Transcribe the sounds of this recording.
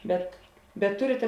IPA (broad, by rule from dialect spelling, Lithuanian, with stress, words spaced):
bʲɛt bʲɛt ˈtʊrʲɪtʲɛ